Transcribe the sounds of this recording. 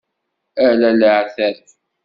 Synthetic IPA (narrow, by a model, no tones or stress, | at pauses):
ælæləʕθæɾθ